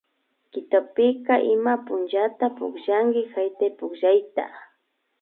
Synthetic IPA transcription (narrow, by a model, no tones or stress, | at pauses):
kɪt̪opɪkaʔɪmapʊnt͡ʃat̪apʊkʒaŋɡɪxajt̪ajpʊkʒajt̪a̰